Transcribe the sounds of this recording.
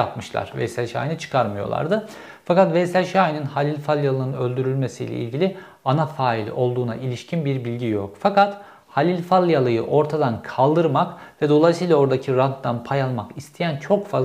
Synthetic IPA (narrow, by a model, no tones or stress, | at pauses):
japmɯʃlˠa̰ɾ̥vɛ̰sælʲʃa̰ːjinɯt͡ʃʰɯ̥kʰaɾmɯjo̞̰lˠa̰ɾd̪ɯ | fakat̪vɛsælʲʃaːjininhalʲilʲfalʲˠjalˠɯnɯnø̞lʲd̪yɾylʲme̞sḭjlʲɛ̰ʔḭlʲɟilʲi | anafaːilʲo̞lˠd̪uːna̰ʔilʲiʃcʰinbiɾbilʲɟijokfakat̪ | halʲilʲfalʲˠjalˠɯjɯʔo̞ɾt̪ʰad̪ankʰalˠd̪ɯɾmakvɛd̪o̞lˠajsɯjːlˠao̞ɾd̪acʰiɾant̪ːanpʰajalˠmakist̪ʰejænt͡ʃʰo̞kfa